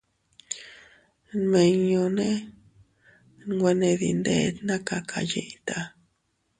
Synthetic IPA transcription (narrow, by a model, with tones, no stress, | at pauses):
nmẽ˨ɲõ˧nẽ˦ | nɡʷe˧nẽ˧ðḭ˨nd̪ḛ˦˨˦t̪nã˦ka˨˧kʰa̰˨jḛ˧jt̪a˧